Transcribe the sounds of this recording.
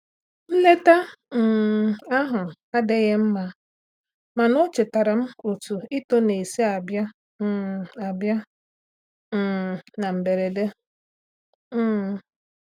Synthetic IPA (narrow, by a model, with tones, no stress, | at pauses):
n̩˦le˦ta˦˨ | a˦ɦʊ˨ | a˦de˦ɣe˦m̩˦ma˦ | ma˨nʊ˦t͡ʃɪ˨ta˨ɾa˨m̩˦u˨tu˨i˦to˦ne˨i˨si˦a˨bja˦˨ | a˨bja˦˨ | na˨m̩˨be˨ɾe˨de˦˨